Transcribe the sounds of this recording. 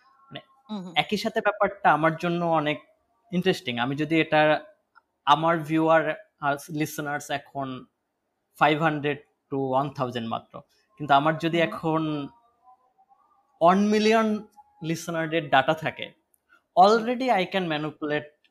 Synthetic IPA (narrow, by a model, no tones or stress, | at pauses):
nɛ | ɛkiʃat̪ʰebɛpaɾʈaamaɾd͡ʑonːoɔnek̚ | iɳʈɾesʈiŋamid͡ʑod̪ieʈa | amaɾbʱjuaɾ | aslisnaɾsɛkʰon | fajbʱɦaɳɖɾeɖ̚ | ʈuwant̪ʰawd͡ʑeɳʈma̰t̪ːɾo̰ | kint̪uamaɾd͡ʑod̪iɛkʰon | wanmilion | lisonaɾɾeɾɖaʈat̪ʰakḛ | ɔlɾeɖiajkɛnmɛnupuleʈ̚